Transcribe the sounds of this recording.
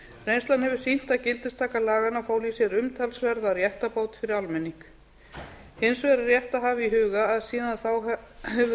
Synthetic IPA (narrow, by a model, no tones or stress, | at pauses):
rejnst̪lanhɛvʏɾ̥sin̥t̪acɪlt̪ɪst̪ʰaːkalaːɣanafaːwlisjɛɾʏmt̪ʰalsvɛɾðaɾjɛht̪apoːwt̪fɪɾɪɾalmɛnːiŋk | hɪnsvɛɾarjɛht̪aɦaːvɪiɦʏːɣaːðsiːðanθawɛv